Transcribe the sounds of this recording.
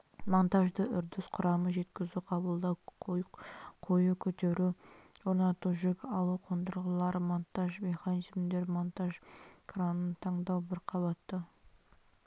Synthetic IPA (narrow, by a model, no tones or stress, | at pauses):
mo̞nt̪aʒd̪əʔʏɾd̪ɪsqʰʊɾɑməʒe̞t̪kʲɪzuqʰɑbəlˠd̪ɑwjqʰo̞jəkʲʰɵt̪e̞ɾuwo̞ɾnɑt̪uʒʏkʲɑlˠuqʰond̪əɾʁəlˠɑɾmo̞nt̪aʒme̞χanizmd̪e̞ɾmo̞nt̪aʒkʰranənt̪ʰɑɴd̪ɑwbɪɾqʰɑbɑt̪ːə